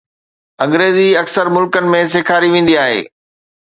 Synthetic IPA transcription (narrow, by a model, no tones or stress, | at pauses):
ɐ̃ŋɡɾeːziɐksəɾmʊlkənɪ̆mẽs̬eːkʰaːɾiʋẽːn̆d̪iaːɦḛː